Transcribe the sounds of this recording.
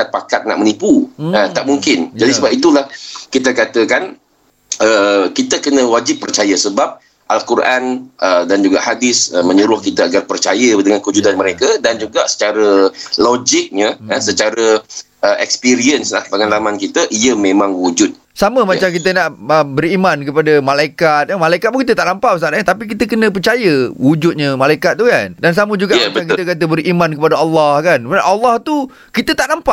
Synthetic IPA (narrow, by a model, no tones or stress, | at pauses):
kat̪̚pakat̪̚na̰ʔ̚mənipuət̪aʔmuŋkɪnd͡ʒadisəbapit̪ulahkit̪əkat̪əkan | əkit̪əkənə̃wad͡ʒɪpːərt͡ʃajəsəbap̚ | ʔalkuɾʔanədand͡ʒuɡa̰ʔhadɪsəmə̃ɲuɾʊhkit̪əaɡarpərt͡ʃajədəŋankəud͡ʒudanməɾekədand͡ʒuɡaʔsə̥t͡ʃaɾəlod͡ʒɪk̚ɲəəsət͡ʃaɾə | əɛkspiɾiənsla̰hpəŋanlamankit̪əʔiəmẽmãŋwud͡ʒut̪̚ | saməmat͡ʃamkit̪ənaʔəbərimãnkəpadəmalaikat̪̚əmalaikat̪̚mukit̪ət̪aʔnampaməs̬anaɲət̪apik̬it̪əkənə̃p̬ərt͡ʃajəwud͡ʒut̪̚ɲəmalaikat̪̚ːukandans̬aməd͡ʒuɡaʔbəakit̪əkat̪̬əbəɾimankəpadaɑlːɑhkanʔalːɑht̪u | kit̪ət̪aʔnampaʔ